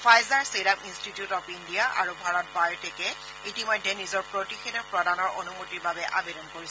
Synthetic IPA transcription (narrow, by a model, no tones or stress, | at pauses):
fʰajzaɹseɾaminstitiutɔpindijaʔa̰ɹubʱaɹɔt̚bajɹtʰɛkɛ | itimɔjdʱɛnizɔɹpɹotixedɔpɹɔdanɔɹʔonumotiɹbabɛʔa̰bedɔnkoɹis